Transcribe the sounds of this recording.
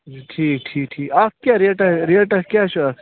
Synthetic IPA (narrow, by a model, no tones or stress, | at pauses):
ʈʰiːk̚ʈʰiːk̚ʈʰiːkakkʲjaɾeʈaɾeʈakʲjaːʃɐ